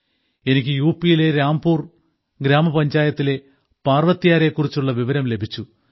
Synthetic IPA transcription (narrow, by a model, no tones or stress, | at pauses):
e̞nikʲːɨjuːpːijile̞ɾaːmbuːr | ɡɾaːmɐpɐɲd͡ʑaːjɐt̪ːile̞ | paːrʋɐt̪ːijaːɾe̞kːurit͡ɕːuɭːɐʋiʋɐɾɐmle̞bʱit͡ɕːu